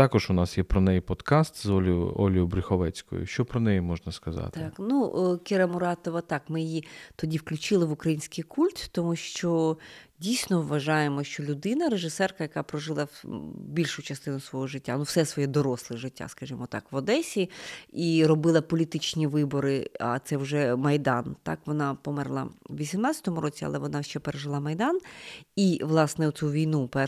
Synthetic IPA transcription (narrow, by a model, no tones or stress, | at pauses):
t̪ɑkɔʒʊnɑsjɛpɾɔnɛjipɔd̪kɑst̪zɔlʲjʊ̰ɔlʲijʊbɾɪxɔʋɛt͡sʲkɔ̰jʊ̰ʃt͡ʃɔpɾɔnɛjimɔʒnɐskɐzɑ̰t̪knukʲɪɾɐmʊɾɑt̪ɔʋɐt̪ɑkmɪjɛjit̪ɔdʲiwklʲʊt͡ʃɪlˠɪʋʊkɾɐjinʲsʲkɪjkʰulʲt̪t̪ɔmuʃt͡ʃɔdʲijsʲnɔʋːɐʒɑjemɔʃt͡ʃɔlʲʊd̪ɪnɐɾeʒɪsɛrkɐjɐkɑpɾɔʒɪlˠɐbʲilʲʃʊt͡ʃɐst̪ɪnʊsʋɔɦɔʒɪtʲːanuwsɛsʋɔjɛd̪ɔɾɔslˠɪʒɪtʲːa̰skɐʒɪmɔt̪ɑ̰kʋɔd̪ɛsʲiirɔbɪlˠɐpɔlʲit̪ɪt͡ʃnʲiʋɪbɔɾɪa̰t̪sɛwʒɛmɐjd̪ɑnt̪ɑ̰kʋɔnɑpɔmɛrlˠɐ̰ʋʲisʲimnɑtt͡sʲɐ̥t̪ɔmʊɾɔt͡sʲiɐ̰lˠɛʋɔnɑʃt͡ʃɛpeɾeʒɪlˠɑmɐjd̪ɑniʋlˠɑsnɛwt̪sʲuʋʲijnupɛ